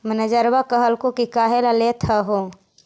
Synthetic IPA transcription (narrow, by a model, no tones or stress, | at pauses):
mənəd͡ʒəɾwakəɦəlkõkikaːɦelaleːt̪ʰəɦoː